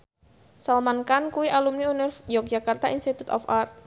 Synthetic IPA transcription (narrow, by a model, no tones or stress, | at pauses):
salmankankuwiʔalumniunɪrjɔk̚d͡ʒakart̪ainst̪it̪ut̪ɔ̰far